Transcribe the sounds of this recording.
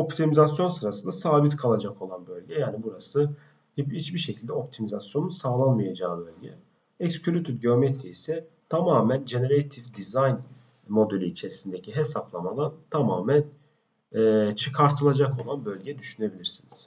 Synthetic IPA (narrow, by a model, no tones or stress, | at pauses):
o̞pt̪ʰimizasjo̞nsɯɾasɯnd̪asaːbit̪kʰalˠad͡ʒakʰo̞lˠanbø̞lʲɟɛjaːnibuɾasɯ | hiit͡ʃbiɾʃe̞cʰilʲd̪ɛo̞p̚t̪ʰimizasjo̞nsaːlˠanmɯjad͡ʒaːɯbø̞lʲɟɛ̰ | ɛkscʰyɾʲyt̪ʰyt̪ɟeo̞met̪ʰɾiisɛ | t̪ʰamaːmænd͡ʒe̞ne̞ɾejt̪ʰivd̪izajn | mo̞d̪elʲiit͡ʃʰe̞ɾisind̪e̞cʰiɦe̞saplˠamad̪ˠant̪ʰamaːmæn | ɛːt͡ʃʰɯkʰaɾt̪ʰɯlˠad͡ʒako̞lˠanbø̞lʲɟɛd̪yʃyne̞bilʲiɾsiniz̥